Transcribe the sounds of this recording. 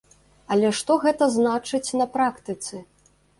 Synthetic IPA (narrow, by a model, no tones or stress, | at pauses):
ɐlʲɛʂt̪ɔɣɛt̪ɐznat͡ʂɨt͡sʲnɐpɾakt̪ɨt̪sɨ